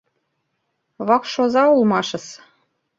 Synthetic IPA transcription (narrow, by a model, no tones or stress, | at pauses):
βɑkʃozɑulmɑʃɤ̆s